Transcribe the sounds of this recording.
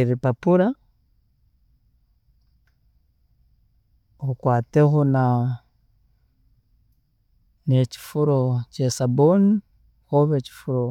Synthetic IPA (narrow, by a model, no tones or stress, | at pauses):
ɾipapuɾa | okwaːtexona | neci̥fuɾocesaboni | xoβeci̥fuɾo